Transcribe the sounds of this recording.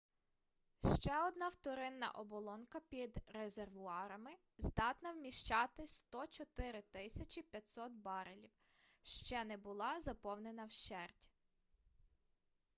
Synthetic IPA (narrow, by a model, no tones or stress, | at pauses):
ʃt͡ʃɛɔd̪nɑwt̪ɔɾɪnːɐ̰ʔɔbɔlˠɔnkɐpʲid̪ɾezerʋʊɑɾɐmɪ | zd̪ɑt̪nɐwmʲiʃt͡ʃɑt̪ɪst̪ɔt͡ʃɔt̪ɪɾɪt̪ɪsʲɐt͡ʃʲipʲjɐt̪ʲsɔt̪̚bɑɾelʲiw | ʃt͡ʃɛnɛbʊlˠɑzɐpɔwnenɐwʃt͡ʃɛrtʲ